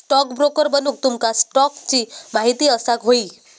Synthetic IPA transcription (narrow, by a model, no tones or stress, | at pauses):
sʈɔkbɾokəɾbənuːk̚t̪umkasʈɔkt͡ɕiːmaɦit̪iːəsakɦoiː